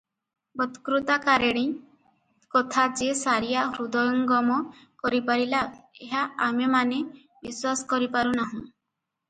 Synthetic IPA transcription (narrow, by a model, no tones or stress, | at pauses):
bɔt̪kɾut̪akaɾeɽ̃i | kɔt̪ʰad͡ʒesaɾijaɾud̪ɔjɔŋɡɔmɔkɔɾipaɾilaeɦaamemane | biswasɔ̥kɔɾipaɾunaɦũ